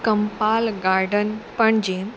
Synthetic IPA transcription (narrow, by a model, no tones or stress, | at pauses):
kəmpaːlɡaːɾɖənpəɳd͡ʒeː